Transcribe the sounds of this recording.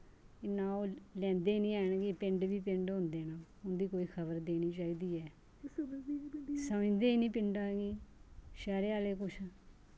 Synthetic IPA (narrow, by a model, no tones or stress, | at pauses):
ɪnãːoːlɛ̃ːnd̪eːnĩːɛːɳɡiːpɪ̃ɳɖʋiːpɪɳɖɦʊ̃ːnd̪eːnãː | ʊnd̪iːkoːiːkʰəbəɾd̪eːniːt͡ʃaːiːd̪iːɛː | səmɪ̃d̪eːnĩːpɪɳɖaːɡiːʃɛːɾeːaːleːkʊt͡ʃʰ